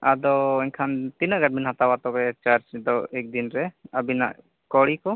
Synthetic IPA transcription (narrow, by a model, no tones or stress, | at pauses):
ad̪ɔɛɲkʰant̪inəɡaɾ̚minɦat̪awat̪ɔbɛt͡ʃaɾd͡ʒd̪ɔɛk̚d̪inɾɛabina̰ʔ | kɔɽikɔ